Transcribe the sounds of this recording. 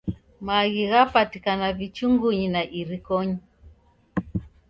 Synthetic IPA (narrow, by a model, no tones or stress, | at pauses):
maɣiɣapatikanavit͡ʃuŋɡuɲinaʔiɾikɔɲi